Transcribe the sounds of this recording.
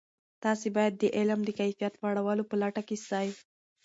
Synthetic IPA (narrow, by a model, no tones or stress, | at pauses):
t̪ɑsebɑjad̪ːəʔelamd̪əkajfijat̪waɽawɑlopəlaʈakesɑj